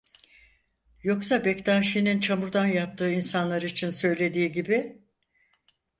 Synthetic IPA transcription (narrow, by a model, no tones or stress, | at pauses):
jo̞ksabɛct̪ʰaːʃijnint͡ʃʰamuɾd̪anjap̚t̪ʰɯːinsanlˠaɾɯit͡ʃʰinsø̞jlʲe̞d̪iːɟibi